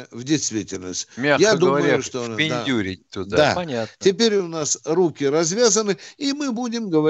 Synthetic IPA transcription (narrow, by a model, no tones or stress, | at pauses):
vdʲɪjst̪vʲitʲɪlʲnəsʲtʲmʲajad̪uməjʊʂt̪opʲɪndʲadʲuɾʲɪt̪ud̪aɐatʲɪpʲeɾʲʊnasrukʲɪɾɐzvʲazənɨimɨbudʲɪmɡəvɐ